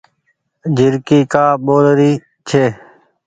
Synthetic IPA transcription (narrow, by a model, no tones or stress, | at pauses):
d͡ʒʱɪɾkiːkaːɓoːlɾiː | t͡ʃʰeː